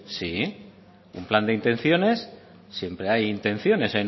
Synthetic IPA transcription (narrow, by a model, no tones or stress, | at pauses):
si | ṵmpland̪e̞int̪ẽ̞n̟θjo̞ne̞sː | je̞mpɾe̞ajint̪ẽ̞nθjo̞ne̞sen